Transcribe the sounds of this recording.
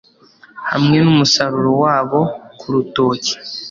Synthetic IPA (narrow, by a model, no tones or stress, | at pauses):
ha̰mŋe̞numusaɾuɾowaːβo̞kʰuɾuto̞ːci̥